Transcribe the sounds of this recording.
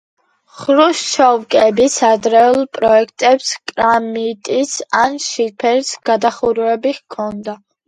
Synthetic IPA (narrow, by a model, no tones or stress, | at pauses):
χɾuʃʃɔvkʼɛbisad̪ɾɛulˠpʼɾɔɛkʰt̪ʼɛpskʼɾamit̪ʼisanʃipʰɛɾsɡ̥ad̪aχuɾɛbiʁkʰɔnd̪a